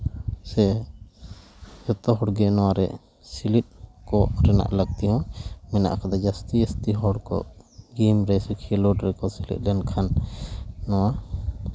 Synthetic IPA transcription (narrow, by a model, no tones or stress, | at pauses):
sɛ | d͡ʒɔt̪ɔɦɔɽɡɛnɔwaɾɛ̰ | silit̪̚kɔɾɛna̰ʔlaɡ̚t̪iɦɔ̃mɛna̰ʔkʰad̪ad͡ʒast̪iəst̪iɦɔɽkɔ̰ɡimɾɛsukʰilɔɖɾɛkɔsilḭt̪̚ˀdɛnkʰanː | ɔwa